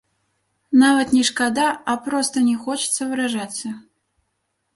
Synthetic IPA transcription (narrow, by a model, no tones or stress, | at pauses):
navɐt̪nʲɛʂkad̪aɐpɾɔst̪ɐnʲɛxɔt͡ʃɪ̥t̪sɐvɨɾaʐasʲɐ